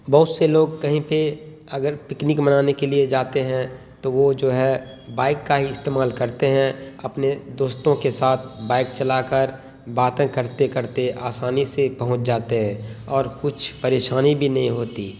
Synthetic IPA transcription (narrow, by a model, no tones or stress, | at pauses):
bɐɦʊt̪seloːɡkɐɦĩpe | ɐɡəɾpɪknikmənaːnekelied͡ʒaːt̪eɦɛ̃ | t̪oʋod͡ʒoːɦɛ | baːɪkːaɦiɪst̪eːmaːlkɐɾt̪eɦɛ̃ɐpned̪oːst̪õkesaːt̪̚ʰbaːɪk̚t͡ʃɐlakəɾ | baːt̪ẽkəɾt̪ekəɾt̪eʔaːsaːnisepɐɦʊ̃t͡ʃd͡ʒaːt̪eɦɛ̃ɔːɾkʊt͡ʃʰpɐɾeːʃaːnibʱinɐɦĩɦoːt̪iː